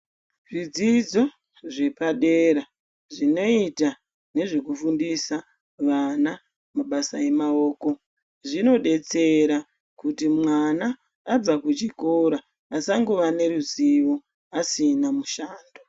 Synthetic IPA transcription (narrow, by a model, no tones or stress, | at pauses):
ʐid͡zid͡zo̞ | ʐe̞paɗe̞ɾa | ʐino̞ita | ne̞ʐe̞kufundisa | ʋana | maɓasaje̞mao̞ːko̞ | ʐino̞ɗe̞t͡se̞ɾa | kutimwanaː | b͡vakut͡ʃiko̞ɾaː | saŋɡuʋane̞ɾuziʋo̞ | asinamuʃaːndo